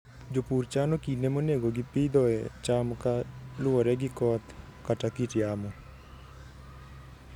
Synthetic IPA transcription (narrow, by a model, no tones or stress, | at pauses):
d͡ʒopuːɾt͡ʃaːnokinemuneɡoɡipid̪ɔet͡ʃaːmkaluəɾɛɡikɔːt̪ | kaʈakiʈijaːmo